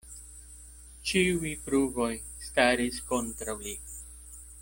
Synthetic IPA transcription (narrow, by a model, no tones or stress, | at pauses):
t͡ʃiujpɾuvo̞j | staɾisko̞ntɾawli